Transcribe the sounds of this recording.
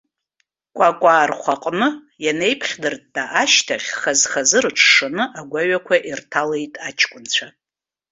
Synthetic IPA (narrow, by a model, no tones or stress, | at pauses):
kʷʼakʷʼaːrχʷaqʼnɨ | jane̞jpʰχʲdɨrddʼaʔaʃtʰaχʲχazχazɨrʈ͡ʂʰʂanɨʔaɡʷaɥakʷʰaʔirtʰalejtʼat͡ʃʰʼkʷʼʊnt͡ɕʷʰa